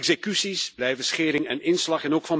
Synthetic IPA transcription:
ɡzekysisb̥lɛjvəsχeːɾɪŋɛ̰nɪnslɑχɛnoːkfɑn

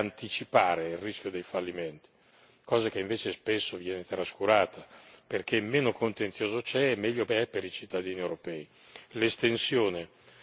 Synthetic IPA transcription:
ant̪it͡ʃipaːɾeirrisk̟jod̪ejfalːimɛnt̪i̥ | kɔːzak̟eiɱveːt͡ʃespesːovjɛːnet̪ɾaskuɾaːt̪ʰaperk̟emːeːnokont̪enjoːzot͡ʃɛɛmːɛʎːopɛpeɾit͡ʃit̪ːad̪iːniewɾopɛːi | lest̪ensjoːne

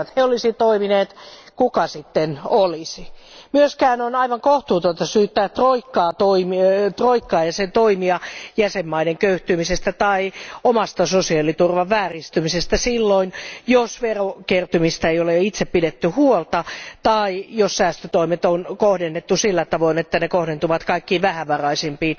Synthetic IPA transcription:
t̪heolisit̪oimineːt̪ | kukɑsit̪ːenolisimyøskæːnonɑiʋɑŋkoht̪uːt̪ot̪ɑsyːt̪ːæːtt̪roikːɑːt̪oimit̪roikːɑːjɑsent̪oimiɑjæsemːɑideŋkøyht̪ymisest̪æt̪ɑiomɑst̪ɑsosiɑlit̪urʋɑʋʋæːrist̪ymisest̪æsilːoinjosʋerokert̪ymist̪æeijoleit̪seppidet̪ːyhuolt̪ɑt̪ɑijossæːst̪øt̪oimet̪onkohdenːet̪ːusilːæt̪ɑʋoinet̪ːænekohdent̪uʋɑt̪kɑikːiːʋæhæʋɑrɑisempiː

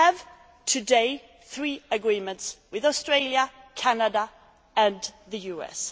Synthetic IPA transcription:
əv̥ | tʰədeɪ | θɹiːəɡɹiːmə̃ntswɪðɔstɹeɪljəkʰanəda | ə̃nðəjuːɛ̰s

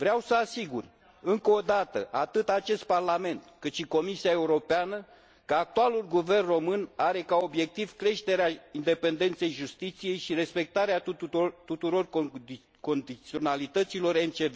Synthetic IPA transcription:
vɾeawsəasiɡur | ɨŋkəod̪at̪ə̰ʔat̪ɨt̪at͡ʃe̞st̪̚parlame̞nt̪kɨt̪ʃiko̞misiae̞uɾo̞peanə | kəak̚t̪ualulɡuve̞rnro̞mɨnaɾe̞kao̞bje̞k̚t̪iv̥kɾe̞ʃt̪e̞ɾeaind̪e̞pe̞nd̪e̞nt̪se̞jʒust̪it̪sije̞jʃiɾe̞spe̞k̚t̪aɾeat̪ut̪uɾo̞r | ko̞nd̪it̪sio̞nalit̪ət̪silo̞rent͡ʃeve

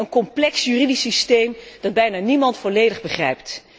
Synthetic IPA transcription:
ənkɔmplɛksjyridisistejmd̥ɑd̚bɛjnaːnimɑntfɔlejdəχbəχrɛ̰jpt

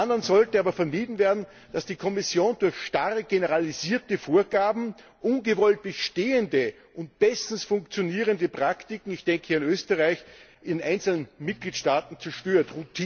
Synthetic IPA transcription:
anɐnzɔltəaːbɐfɛɐmiːdn̩veːɐdn̩ | d̥asd̥iːkʰɔmɪsjoːndʊɐçʃtaʁəɡ̥enəʁaliziːɐtəfoːɐɡaːbm̩ | ʔʊnɡəvɔlt̚b̥əʃteːəndə | ʔʊnt̚b̥ɛstn̩sfʊŋkt͡sjoniːʁəndəpʁ̥aktɪkŋ̩ɪçd̥ɛŋkʰəhiːɪnøːstəʁaɪç | ʔɪndenʔaɪnt͡sl̩nənmɪt̚ɡ̥liːtʃtaːtn̩t͡sɛɐʃtøːɐtʁʊtʰiː

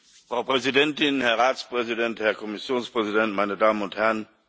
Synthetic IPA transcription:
fʁɑ̈ʊpʰʁɛsidɛntʰɪnhæɐʁɑːtspʁɛs̬idɛndhæɐkʰomisjo̝ːnspʁɛsid̥ɛndmaɪnədɑ̈ːməɔndhæɐn

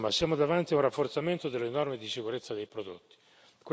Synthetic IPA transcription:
masjaːmod̪avant̪iaunrafːort̪sament̪od̪elːenɔrmed̪isikuɾet̪sːad̪ejpɾod̪ot̪ːi̥ | kw

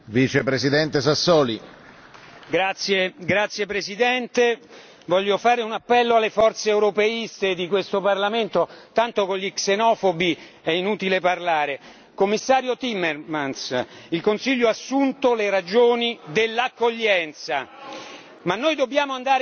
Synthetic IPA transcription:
vit͡ʃepɾesid̪ɛnt̪esasːɔːli | ɡɾat̪sjeɡɾat̪sːjepɾesid̪ɛnt̪e | vɔʎːofaːɾeunapːɛlːoalːefɔrt̪seːwɾopeist̪ed̪ikwest̪oparlament̪ot̪ant̪okolʎiksenɔːfobi | ɛinuːt̪ileparlaːɾe | komːisːaːɾjot̪imːermansilkonsiʎːoasːunt̪oleɾad͡ʒoːnid̪elːakːoʎːɛnt̪sa | manːojd̪obːjaːmoand̪aːɾ

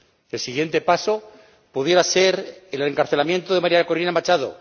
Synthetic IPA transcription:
elsiɣje̞nt̪e̞paso | puðje̞ɾase̞ɾeleŋkaɾθe̞lamjẽnt̪oðe̞maɾjakoɾinamat͡ʃaðo̰

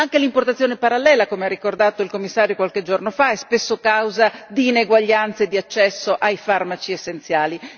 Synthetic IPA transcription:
aŋkelimport̪at̪sjoːnepaɾalːɛːlakomearːikord̪aːt̪oilkomːisːaːɾjokwalk̟ed͡ʒornofaɛspesːokawzad̪iːneɡwaʎːant̪sed̪ːiat͡ʃːɛsːoʔajfarmat͡ʃiesːent̪sjaːli

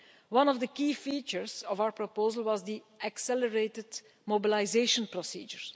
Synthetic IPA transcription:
wʌ̃nɔvd̪əkiːfiːt͡ʃəɹzɔvawəɹpɹɔpoːzəlˠwɔzdi | aksɛləɹeːtɪd | mobilaɪzeːʃə̃npɹɔsḭːd͡ʒəɹ

